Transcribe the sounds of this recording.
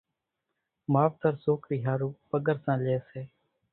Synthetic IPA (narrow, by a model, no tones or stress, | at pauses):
maːʋt̪əɾsoːkɾiːɦaːɾuːpəɠəɾsãːleːseː